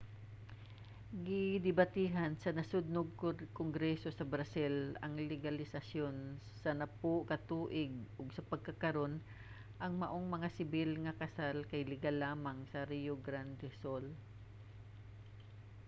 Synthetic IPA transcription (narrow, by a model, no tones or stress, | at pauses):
ɡɪd̪ɪbat̪iːɦɐnsɐnɐsʊd̪̚noɡ̚koŋɡɾɛso̞sɐbɾɐsɪlɐŋlɪɡɐlɪsɐsjon | sɐnɐpokɐt̪uːʔɪɡ̚ʔʊɡsɐpɐɡ̚kɐkɐɾo̞n | ʔɐŋmɐʔoŋmɐŋasɪbɪlŋɐkɐsalkɐjlɪɡalaːmɐŋsɐɾijoɡɾand̪ɛsol